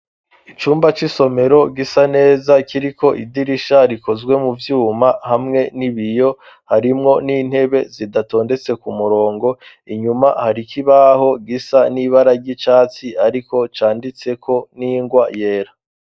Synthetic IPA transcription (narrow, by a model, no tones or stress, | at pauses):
it͡ʃuːmbat͡ʃiso̞me̞ɾo̞ɡisane̞ːzakiɾiko̞ʔidiɾiʃaɾiko̞zɡwe̞muvjuːmahamŋe̞niβijo̞ | haɾimŋo̞niːn̥he̞βe̞zidato̞ːnde̞t͡se̞kumuɾo̞ːŋɡo̞ | iɲumahaɾikʰiβaho̞ɡisaniβaɾaɾɟit͡ʃaːt͡siaɾiko̞t͡ʃaːndit͡se̞kʰo̞niːŋɡwaje̞ːɾa